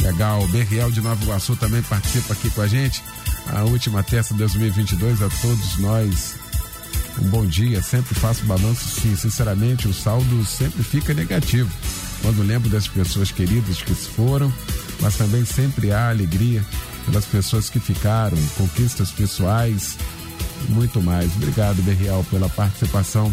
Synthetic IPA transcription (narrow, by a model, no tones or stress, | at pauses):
leɡawbeɦiɛwd͡ʒɪnovɐɡasot̪ɐ̃mbẽj̃paɾt͡ʃi̥sipakikõɐʒẽt͡ʃɪ̥ | ɐ̰ut͡ʃimɐt̪ɛsɐd̪ojzmiwivĩnt͡ʃɪd̪ojzɐt̪od̪ʊznɔjs | ṵ̃bõw̃d͡ʒiɐsẽmpɾɪfasʊbalɐ̃sɐsĩsĩsɛɾɐmẽnt͡ʃɪʊsawd̪ʊsẽmpɾɪfikɐneɡat͡ʃivʊ | kwʔɐ̃nd̪ʊlẽmbɾʊd̪ɐspesoɐskeɾid̪ɐzd͡ʒkɪsɪ̥foɾɐ̃w̃ | mʔɐst̪ɐ̃mbẽj̃sẽmpɾɪaːleɡɾiɐ | pelɐspesoɐskɪfikaɾɐ̃w̃kõkist̪ɐspesuajs | mũj̃t̪ʊmajsobɾiɡad̪ʊbeɦiawpelɐpaɾt͡ʃi̥sipasɐ̃w̃